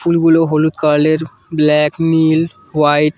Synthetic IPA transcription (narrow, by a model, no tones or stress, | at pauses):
ulɡuloɦolut̪kaɾleɾ | blɛknil | ʋaɪʈ